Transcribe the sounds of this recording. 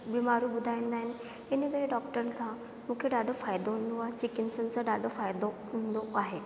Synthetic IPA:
bimaɾubud̪ʱajind̪ain | eniɡəɽeɖɔkʈəɾt͡sã | mukʰeɖaɖofajd̪oɦund̪oaɦet͡ɕikinsənt͡saɖaɖofajd̪oɦund̪oaɦe

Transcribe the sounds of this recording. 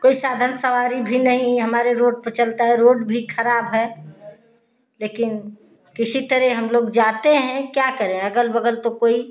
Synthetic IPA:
koːisaːd̪ʱənsəʋaːɾibʱinəɦĩɦəmaːɾeɾoːɖ̚pət͡ʃəlt̪aɦɛɾoːɖbʱikʰəɾaːbɦɛ | leːkɪn | kɪsit̪əɾɛɦəmloːɡd͡ʒat̪eɦɛ̃kjakəɾẽəɡəlbəɡəlt̪okoːi

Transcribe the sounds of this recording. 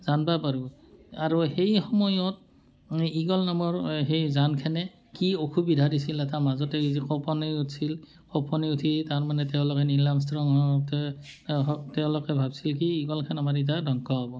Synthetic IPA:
z̥anbapaɹuaɹuhejxɔmɔjɔt̚ | iɡɔlnamɔɹɦejzankʰanɛ | kiokʰubidʱadisilɛtamazɔtɛizikɔpɔniutsil | kɔpɔniutʰitaɹmanɛtɛʊ̃lɔkɛnilams̬tɹɔŋɔt | ɔtɛʊ̃lɔkɛbʱabsilk̬iːɡɔlkʰanamaɹit̬adʱɔŋkɔabɔ

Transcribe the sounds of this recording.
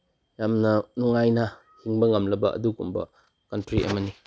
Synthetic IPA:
jamnɐnɔŋajnɐ | hiŋbɐŋɐmlɐbɐ̰ʔɐ̰dukumbɐ̰ | kɐntɾiʔɐ̰mɐni

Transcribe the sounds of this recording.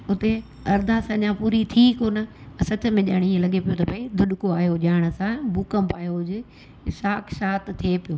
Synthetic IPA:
ʊt̪e | ɐɾd̪ʱasɐ̃ɲãpuːɾit̪ʰikoːnə̃sɐt͡ɕə̆mẽʄa̰ːɽ̃iiːẽlɐɠepijot̪ɐbʱɐid̪ʱʊɗʊkoaːjoʄaːɪɽ̃ə̆sãbuːkəmbaːjod͡ʑɪ | saːkʰʃaːt̪t̪ʰepijoː

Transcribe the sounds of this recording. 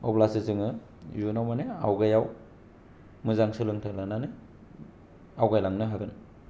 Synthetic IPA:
o̰plasizɯŋɯ | junawmanea̰wɡajaw | mɯzaŋsɯlɯŋtʰalananɯ | awɡajlaŋnɯɦaɡɯn

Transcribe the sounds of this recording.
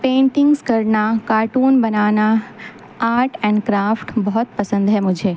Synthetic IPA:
pẽːɳʈɪŋɡskəɾnakaːɾʈuːnbənaʋna | aːɾʈɛ̃ɳɖkɾaːfʈbɔɦɔt̪pəsə̃nd̪ɦɛmʊ̃d͡ʒʱe

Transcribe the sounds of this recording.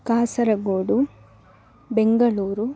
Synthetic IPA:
kaːsɐɾɐɡoːɽu | beŋɡɐɭuːɾu

